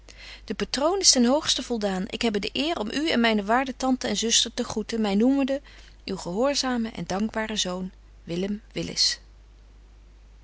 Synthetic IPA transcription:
d̥əpatrownɪstɛnɦowχstəv̥ɔlˠdaːnʔɪ̰kɦɛbədəʔɪːrɔmʔyɛnmɛjnəʋaːɹdətɑntəɛnzɵstəɹtəχutəmɛjnuməndə | ywχəɦʊːɹzaːməʔɛ̰ndɑŋɡbaːrəzown | ʋɪləmʋɪlɪ̰s

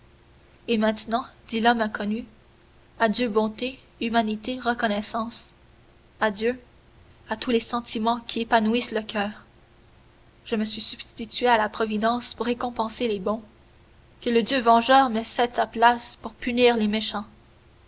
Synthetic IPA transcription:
emɛ̃t̪nɑ̃d̪̥ilɔmɛ̃kʰɔny | ad̪jøbɔ̃t̪e | ymanit̪eʁəkɔnɛsɑ̃ːs | ad̪jø | at̪ulesɑ̃t̪imɑ̃kʲiepanuisləkʰʲœːʁ | ʒ̥əməsɥisyb̥stt̪it̪ɥealapχɔvid̪ɑ̃spuʁːekɔ̃pɑ̃selebɔ̃ | kələd̪jøvɑ̃ʒœːʁməsɛt̪saplaspuʁpyniːʁlemeʃɑ̃

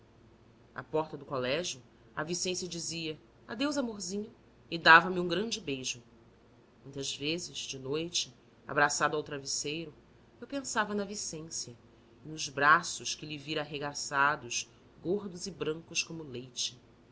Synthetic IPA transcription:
a̰pɔχt̪ɐd̪ʊkolɛʒjʊ | ɐvisẽsijɐd͡ʒiziɐ | a̰d̪ewzamoɾzĩɲʊ | ɪd̪avɐmɪũɡɾɐ̃d͡ʒɪbejʒʊ | mũj̃t̪ɐzvezɪz̥d͡ʒɪnojt͡ʃɪ | a̰bɾasad̪ʊawt̪ɾavisejɾʊ | ewpẽsavɐnɐvisẽsjɐ | ɪnʊzbɾasʊʃkɪliviɾɐːɦeɡasad̪ʊʃ | ɡoɾd̪ʊzɪbɾɐ̃ŋkʊʃkõmʊlejt͡ʃɪ̥

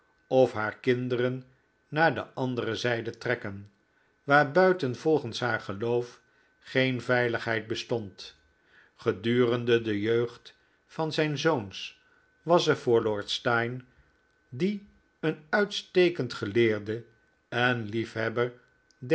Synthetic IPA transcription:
ɔfɦaːɹkɪndərənː | aːɹdə̰ʔɑndərəzɛjdətrɛkən | ʋaːɹbœɥtənv̥ɔlˠχənsɦaːɹχəlowf | χejnvɛjləχɦɛjt̚bəstɔnt | χədyːrəndədəjøɥχt | fɑnzɛjnzowns | ʋɑsəɹv̥ʊːɹlʊːɹtstɑjn | di | ənœɥtstejkəntχəlɪːɹdə | ɛnlifɦɛbəɹ | d

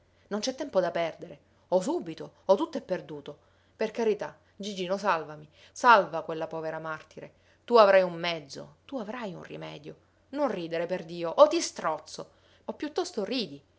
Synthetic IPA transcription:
nont͡ʃɛt̪ːɛmpod̪apɛrd̪eɾe | ɔs̬ubit̪oɔt̪ːut̪ːoɛpːerd̪uːt̪o | perkaɾit̪a | d͡ʒid͡ʒiːnosalvami | salvakwelːapɔːveɾamart̪iɾe | t̪uavɾajumːɛd̪zːo̰t̪uavɾajṵnrḭmɛ̰ːd̪jo | nonriːd̪eɾeperd̪iːoʔot̪ːist̪ɾɔt̪sːo | opːjut̪ːɔst̪oriːd̪i

